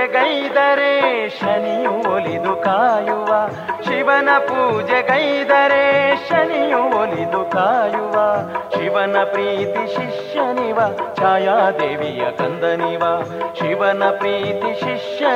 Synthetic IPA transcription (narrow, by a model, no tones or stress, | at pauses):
eɡɐjd̪ɐɾeːʂɐnijuolid̪ukaːjuʋaː | ʃiʋɐnɐpuːd͡ʒeɡɐjd̪ɐɾeːʃɐnijuolid̪ukaːjuʋaːʃiʋɐnɐpɾiːt̪iʃiʂjɐniʋɐt͡ʃaːjaːd̪eːʋijɐ̰kɐnd̪ɐniʋaʃiʋɐnɐpɾiːt̪iʃiʂjɐ